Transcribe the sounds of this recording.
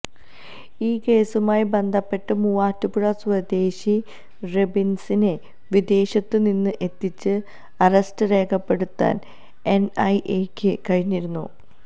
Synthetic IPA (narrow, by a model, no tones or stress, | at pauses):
iːke̞ːsumaːjibe̞nd̪ʱɐpːe̞ʈːɨmuːaːtːupuɻɐswɐd̪e̞ːɕi | rebinsine̞ | ʋid̪e̞ːɕɐt̪ːɨninːɨʔe̞t̪ːit͡ɕːɨ | ɐrɐstɨre̞ːkʰɐpːe̞ɽut̪ːa̰ːn | e̞nɐjʔeːkʲːɨkɐɻiɲːiɾunːṵ